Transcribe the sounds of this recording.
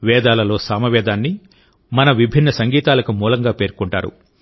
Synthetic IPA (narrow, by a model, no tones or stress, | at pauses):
ʋɛːd̪aːlɐlo̞ːsaːmɐʋɛːd̪aːnːi | mɐnɐʋibʱinːɐsɐŋɡiːt̪aːlɐkumuːlɐŋɡaːpe̞ːɾkuɳʈa̰ːɾṵ